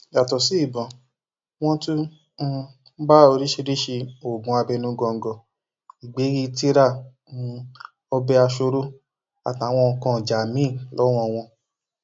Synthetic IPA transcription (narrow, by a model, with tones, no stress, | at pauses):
ja˨tɔ˨si˨˦i˦˨bɔ̃˨ | w̃ɔ̃˦tũ˦ | ba˦o˧ɾi˦ʃe˧ɾi˦ʃe˧o˨ɡũ˨˦a˧bɛ˧nũ˦ɡɔ˧ŋ̩˨ɡɔ˨ | i˨ɡ͡be˨˦ɾi˧˦te˦ɾa˦˨˦ | ɔ˧bɛ˧a˧ʃo˧ɾo˦ | a̰˨tã˨˦˨w̃ɔ̃˧kɔ̃˧˨d͡ʒa˨mĩ˦˨lɔ˨˦w̃ɔ̃˦˧˨w̃ɔ̃˧